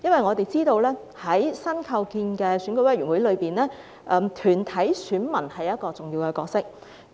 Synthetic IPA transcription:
jɐ˥nwɐ˨jŋɔː˨˧t̪e˨jt͡siː˥t̪o˧wlɛː˥ | hɐ˨˥jsɐ˥nkʰɐ˧wkiː˧nkɛː˧syː˨˥nkɵ˧˥wɐ˥jɥyː˨˩nwu˨˥jlɵ˨˧ɥpiː˨˩nlɛː˥ | ʔɛː˧mt̪ʰyː˨˩nt̪ʰɐ˨˥jsyː˨˥nmɐ˨˩nhɐ˨jːɐ˥t̚kɔː˧t͡sʊ˨ŋjiː˧wkɛː˧kɔː˧k̚sɪ˥k̚

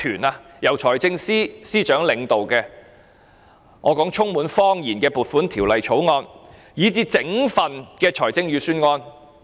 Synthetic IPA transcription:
t̪ʰyː˨˩naː˧ | jɐ˨˩wt͡ʃʰɔː˨˩jt͡sɪ˧ŋsiː˥siː˥t͡ʃœː˨˥ŋlɪ˨˧ŋt̪o˨wkɛː˧ | ŋʔɔː˨˧kɔː˨˥ŋt͡ʃʰʊ˥ŋmuː˨˥nfɔː˥ŋjiː˨˩nkɛː˧puː˨˩t̚fuː˨˥nt̪ʰiː˨˩wlɐ˨jt͡sʰo˨˥wŋɔː˧n | jiː˨˧˥t͡siː˧t͡sɪ˨˥ŋfɐ˨nkɛː˧t͡ʃʰɔː˨˩jt͡sɪ˧ŋjyː˨˧syː˥nŋɔː˧n

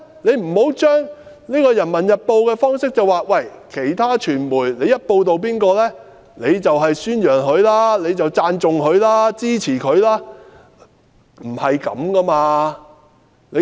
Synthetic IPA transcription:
le˨˧jm̩˨˩ho˨˥wt͡ʃœː˥ŋ | niː˥kɔː˧jɐ˨˩nmɐ˨˩njɐ˨t̚po˧wkɛː˧fɔː˥ŋsɪ˥k̚t͡sɐ˨waː˨˩wɐ˨jkʰe˨˩jt̪ʰaː˥t͡ʃʰyː˨˩nmuː˨˩jle˨˧jɐ˥t̚po˧wt̪o˨wp̬iː˥nkɔː˧lɛː˥ | le˨˧jt͡sɐ˨wɦɐ˨jsyː˥njœː˨˩ŋɦɵ˨˧ɥlaː˥le˨˧jt͡sɐ˨wt͡saː˧nt͡sʊ˨ŋɦɵ˨˧ɥlaː˥t͡siː˥t͡sʰiː˨˩kʰɵ˨˧ɥlaː˥ | m̩˨˩hɐ˨jkɐ̰˨˥mkɐ˥maː˧ | le˨˧

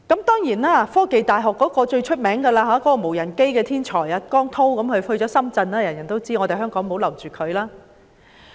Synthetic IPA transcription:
kɐ˨˥mt̪ɔː˥ŋjiː˨˩naː˥˨fɔː˥ke˨jt̪aː˨jɦɔː˨kːɔː˨˥kɔː˧t͡ʃɵ˧ɥt͡ʃʰɵ˥t̚mɛː˨˥ŋkɐː˧laː˧ɦaː˨˥kɔː˨˥kɔː˧mo˨˩wjɐ˨˩nke˥jkɛː˧t̪ʰiː˥nt͡ʃʰɔː˨˩jɐ˨˧kɔː˥ŋt̪ʰo˥wkɐ˨˥mhɵ˧ɥhɵ˧t͡ʃɔː˨˥sɐ˥mt͡sɐ˧nlaː˥jɐ˨˩njɐ˨˩nt̪o˥wt͡siː˥ŋɔː˨˧t̪e˨˩jɦœː˥ŋkɔː˨˥ŋmo˨˥wlɐ˨˩wt͡ʃyː˨˩kʰɵ˨˧ɥlaː˥

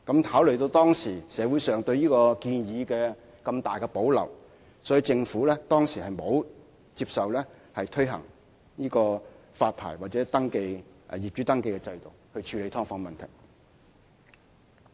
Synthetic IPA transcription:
kɐ˨˥mt̪ʰaː˨˥wlɵ˨˩ɥt̪o˧wt̪ɔː˥ŋsiː˨˩sɛː˨˧˥wuː˨˥jsœː˨˩ŋt̪ɵ˧ɥjiː˥kɔː˧kiː˧njiː˨˧kɛː˧ | kɐ˧mt̪aː˨jkɛ˧po˨˥wlɐ̰˨˩w | sɔ˨˥ji˧t͡sɪ˧ŋfuː˨˥lɛː˥t̪ɔː˥ŋsiː˨˩hɐ˨˩jmo˨˧w | t͡siː˧p̚sɐ˨wlɛː˥ | hɐ˨jt̪ʰɵ˥ɥɦɐ̰˨˩ŋ | jiː˥kɔː˧ | faː˧t̚pʰa̰ː˨˩jwaː˨t̚t͡sɛː˨˥t̪ɐ˥ŋke˧jjiː˨p̚t͡ʃyː˨˥t̪ɐ˥ŋke˧jkɛ˧t͡sɐ˧jt̪o˨˩whɵ˧ɥt͡ʃʰyː˨˧le˨˧jt̪ʰɔː˥ŋfɔː˧ŋ˧mɐ˨nt̪ʰɐ̰˨˩j

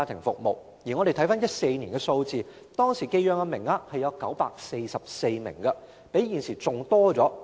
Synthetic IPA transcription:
a˧t̪ʰɪ˨˩ŋfʊ̰˨k̚mo˨w | jiː˨˩ŋɔː˨˧ɾe˨jt̪ʰɐ˨˥jfaː˥njɐ˥t̚se˧jniː˨˩nkɛ˧so˧wt͡siː˨˧ | t̪ɔː˥ŋsiː˨˩ke˧jjœː˨˧ŋaː˧mɪ˨˩ŋaː˧hɐ˨˩jɐ˨˧wkɐ˨˥wpa̰ː˧k̚se˧jsɐ˨p̚se˧jmɪ̰˨˩ŋkɐ˧ | pe˨˥jjiː˨˩nsiː˨˩t͡sʊ˨˩ŋt̪ɔː˥t͡sɔː˨˥

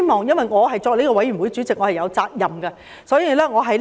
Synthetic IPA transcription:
mɔː˨ŋjɐ˥nwɐ˨jŋɔː˨˧ɦɐ˨˩jt͡sɔː˧k̚lei˥kɔ˧wɐ˨˥jy˨˩wjt͡syː˨˥t͡sɪ˨k̚ŋɔː˨˥˨jɐ˨˧wt͡saː˧k̚jɐ˨mɡɛ˧ | sɔː˨˥jiː˧lɛː˥ŋɔː˨˧ɦɐ˨j

